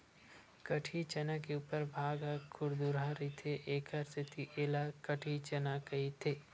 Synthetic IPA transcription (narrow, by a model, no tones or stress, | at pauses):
kəʈʰit͡ʃənakeuːpəɾbʱaːɡakʰʊɾd̪uɾɦaɾit̪ʰeʔeːkʰəɾsʰɪt̪ʰiʔeːlakəʈʰit͡ʃənakɐit̪ʰeː